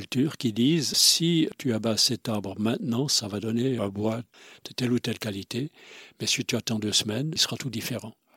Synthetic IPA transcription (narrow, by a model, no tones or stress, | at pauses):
lt̪yːʁkʲid̪iːzsit̪yabasɛt̪aʁbʁəmɛ̃t̪nɑ̃savad̪ɔneə̃bwad̪̥ət̪ɛlut̪ɛlkalit̪emɛsit̪yat̪ɑ̃d̪øsmɛnsə̥ʁat̪ud̪ifeʁɑ̃